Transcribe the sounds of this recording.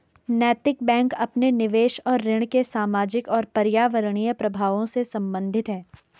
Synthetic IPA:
nɛːt̪ɪkbɛ̃ːŋkɐpnenɪʋeːʃɔːɾːɪɽ̃kesaːmaːd͡ʒɪkɔːɾpɐɾjaːʋəɾɽ̃ijəpɾɐbʱaːʋõsesɐ̃mbə̃nd̪ʱɪt̪ɦɛː

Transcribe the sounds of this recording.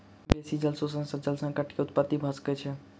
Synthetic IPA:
besid͡ʒəlsosə̃ŋsəd͡ʒəlsə̃ŋkəʈʰkeut̪pət̪ːibʱəsə̥kɛt͡ʃʰɛ

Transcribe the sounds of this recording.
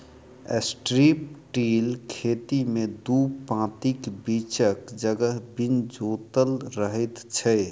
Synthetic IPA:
ḛsʈɾip̚ʈilkʰet̪imed̪upãt̪ikbit͡ʃəkd͡ʒəɡəɦbind͡ʒot̪əlɾəɦɛt̪t͡ʃʰɛ

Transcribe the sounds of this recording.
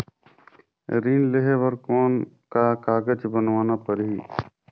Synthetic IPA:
ɾiːnleɦeʋəɾkoːn | kakaːɡəd͡ʒbənʋaːnapəɾɦiː

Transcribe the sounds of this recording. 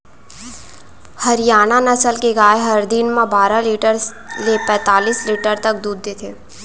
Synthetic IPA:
hɐɾɪjaːnanɐsəlkeɡaːjɦɐɾd̪inmãbaːɾaliːʈəɾ | lepɛ̃ːt̪aːliːsliːʈəɾt̪ɐk̚d̪uːd̪ːeːt̪ʰeː

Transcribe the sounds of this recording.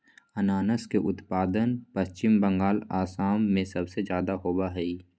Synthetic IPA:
ənaːnəskeʔʊt̪paːd̪ənpəst͡ʃɪmbə̃ŋɡaːlaːsaːmːẽsɐbsed͡ʒjaːd̪aɦoːbaɦɛiː

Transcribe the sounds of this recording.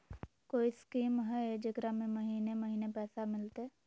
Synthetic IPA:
koːiskiːmɦɛed͡ʒɪkɾamẽmɐɦiːnemɐɦiːnepɛːsamɪlt̪eː

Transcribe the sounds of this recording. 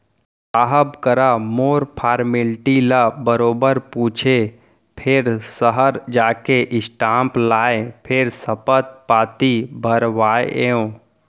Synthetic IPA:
aɦəbkəɾamoɾpʰaɾmɪlʈilabəɾobəɾput͡ʃʰe | pʰeɾsəɦəɾd͡ʒaːkeʔɪsʈamplaːepʰeɾsəpət̪̚paːt̪ibʱəɾʋaeeõ

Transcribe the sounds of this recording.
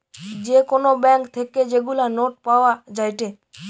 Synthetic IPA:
d͡ʑekonobɛ̃ŋkt̪ʰeked͡ʑeɡulanoʈ̚paoad͡ʒajʈ̪e

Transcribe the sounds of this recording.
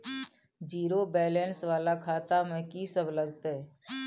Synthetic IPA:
d͡ʒiːɾobɛːlɛːnsʋaːlakʰaːt̪amɛ̃ɦkisəbʱləɡt̪aɦɛ

